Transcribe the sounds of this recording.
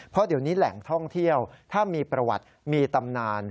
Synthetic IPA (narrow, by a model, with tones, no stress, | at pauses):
pʰɔ˦˥di˨˩˦wniː˦˥lɛ̰˩˦ŋt̪ʰɔ˥˩ŋt̪ʰi˥˩əwt̪ʰaː˥˩miː˧pɾa˧wa̰˨˩t̪̚ | miː˧t̪a˧mnaː˧n